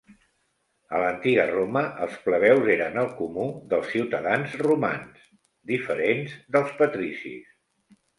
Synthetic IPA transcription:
ə̰lənt̪iɣəroməʔəlˠspləβ̞ɛwzeɾənəlˠkumuðəlˠsːiwt̪əðanzruma̰ns | d̪ifəɾenzðəlˠspət̪ɾisḭs

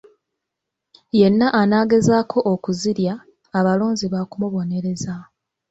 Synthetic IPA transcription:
je̞nːaʔːnaːɡe̞zaːkʰo̞ʔːkuziɾjaː | βaloːnziβakumuβo̞ne̞ɾe̞za

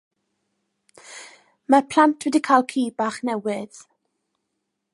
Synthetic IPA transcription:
mapʰl̥antʰwɛdikʰajlˠkʰiːbaχnɛwɪð̥

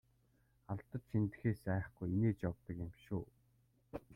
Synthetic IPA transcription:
aɮt̪ə̆t͡ɕʃint̪ɘ̆xeːsæːχɡujineːt͡ɕɔk̚t̪ɞ̆kɪmʃuː

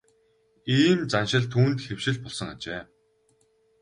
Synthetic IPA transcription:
iːmt͡sanʃɪ̆ɮt̪ʰuːnt̪xew̥ʃɪ̆ɮpɔɮsɞ̆ŋat͡ɕeː

